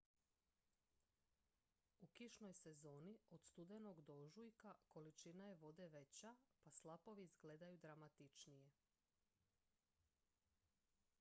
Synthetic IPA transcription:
ukiʃno̞jse̞zo̞ːnio̞d̪̥st̪ud̪enoɡd̪o̞ʒujkako̞lit͡ʃinaje̞ʋo̞d̪e̞ʋe̞t͡ɕapaslˠapo̞ʋizɡle̞d̪ajud̪ɾamat̪it͡ʃnije̞

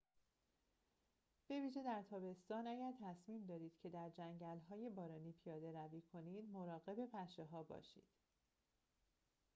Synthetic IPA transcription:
b̥e̞viːʒe̞d̪æɾt̪ʰɒːbe̞st̪ɒːnæɟæɾt̪ʰæsmiːmd̪ɒːd̪iːd̪̥cʰe̞d̪æɾd͡ʒæɲɟælɦɒːje̞bɒːɾɒːniːpʰijɒːd̪e̞ɾæviːkʰo̞niːd̪mo̞ɾɒːɣe̞be̞pʰæʃe̞ɦɒːbɒ̰ːʃḭːd̪̥

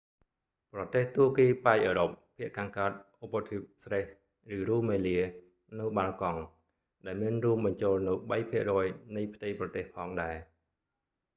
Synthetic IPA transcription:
prɑt̪eːht̪uəkiːpaɛʔəːɾop̚pʰːiəʔkaːŋkaət̪̚ʔopːət̪ʰip̚sreh | rɨːruːmeːliə | nɨwɓaːlkɑŋ | ɗaɛlmiənruəmɓɑɲt͡ɕoːlnɨwɓəjpʰiəʔrɔːjnɨjpʰt̪ɨjprɑt̪eːhpʰɑːŋɗaɛ

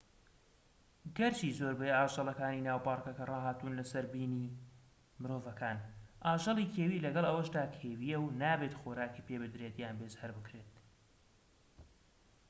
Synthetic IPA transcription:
ɡɐɾt͡ʃiːzoɾbɛjaːʒɑlˠɐkaːniːnaːwpɑːɾkɐkɐrɑːɦaːt̪unlɐsɐɾbiːniː | mɨɾoːvɐkʰaːnʔaːʒɐlˠikʰeːwiːlɐɡɐlˠɐwɐʃd̪aːkʰeːwijɛwnaːbet̪xoːɾaːkiːpeːbɨd̪ɾet̪jaːnbezhɐɾbɨkɾet̪̚

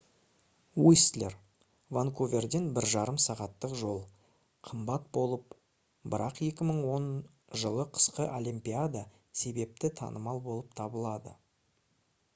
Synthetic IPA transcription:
wuslʲḛr | vaŋkʰovʲe̞rd̪e̞nbɪɾʒɑɾəmsɑʁɑt̪ːəqʒo̞lˠ | qʰəmbɑt̪̚bo̞lˠəp̚ | bɪɾʔɑqje̞kʲɪməɴwo̞n | ʒəlˠəqʰə̥sqəʔolʲimpʲiad̪a | se̞be̞p̚t̪ɪt̪ʰɑ̰nəmɑlˠbo̞lˠəp̚t̪ʰɑbəlˠɑd̪ə̰

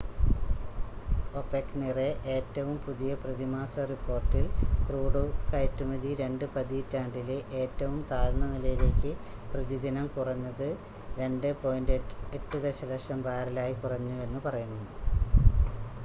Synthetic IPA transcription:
opːeknereʔe̞ːtːɐʋumpuðijɐprɐðimaːsɐripʰːo̞ːrʈːilkruːɽukɐjtːumɐðiɾe̞ɳɖɨpɐðitːaːɳɖileʔe̞ːtːɐʋumt̪aːɾnːɐnilɐjile̞ːkʲːɨprɨðid̪inɐmkurɐnːɐðɨ | ɾe̞ɳɖɨpo̞ːjinde̞tːɨðeɕɐlɐʂɐmbaːrilaːjikurɐɲːue̞nːɨpɐrɐjunːu

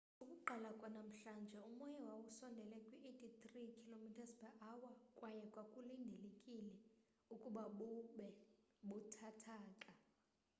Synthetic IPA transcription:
ukʼuǃʱalakʼanam̩ɬand͡ʒʱɛumɔjɛwawusɔndʱɛlɛkʼwiʔetʰit̪rikʰilomitʰaspɛʔawakʼwajɛkʼwakʼulindʱelekʼilɛ | ukʼuɓaɓuɓɛɓutʰatʰaːǃʼa

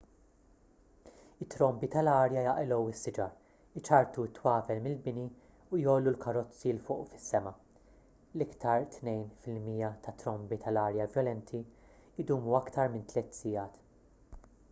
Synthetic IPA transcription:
ɪt̪ːɾɔmbit̪ɐlɐːɾjɐjɐʔɛlɔwɪsːɪd͡ʒɐɾ | ɪt͡ʃɐɾt̪uɪt̪ːwɐːvɛlmɪlbɪni | ujɔːlːulkɐɾɔt͡sːilfʊːʔufɪ̥sːɛmɐ | lɪkt̪ʰɐɾt̪nɛjnfɪlmiːjɐt̪ʰɐt̪ɾɔmbit̪ʰɐlɐːɾjɐvjɔlɛnt̪ʰi | ɪd̪uːmuɐkt̪ɐɾmɪnt̪lɛt̪sɪjɐːt̪

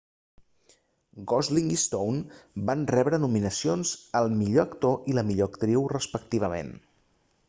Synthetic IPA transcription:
ɡɔzliŋist̪ownbanrɛβɾənuminəsionzəlˠmiʎoəkt̪oʔiləmiʎoəkt̪ɾiwrəspək̚t̪iβ̞əmḛn

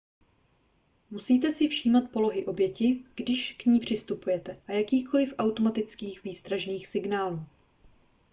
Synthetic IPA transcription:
musiːt̪ɛsɪfʃiːmat̪̚po̞lo̞ɦɪʔo̞bjɛcɪɡ̥dɪʃkɲiːpr̝̥ɪst̪upujɛt̪ɛʔajakiːxko̞lɪfʔawt̪o̞mat̪ɪt͡skiːxviːst̪ɾaʒniːxsɪɡnaːluː

